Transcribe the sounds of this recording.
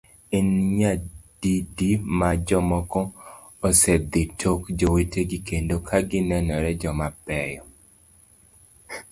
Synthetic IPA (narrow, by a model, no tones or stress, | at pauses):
inɲad̥idimad͡ʒɔmɔkɔ | ɔsɛd̪ɪtʰokd͡ʒoweteɡikendokʰaɡɪnɛnɔɾɛd͡ʒɔmapɛjɔ